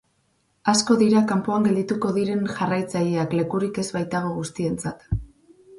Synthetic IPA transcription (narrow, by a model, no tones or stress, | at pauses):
asko̞ðiɾakampoaŋɡeld̪it̪uko̞ðiɾe̞nʝarajt͡sajeakle̞kuɾike̞zβajt̪aɣ̞o̞ɣ̞ust̪ie̞nt͡sat̪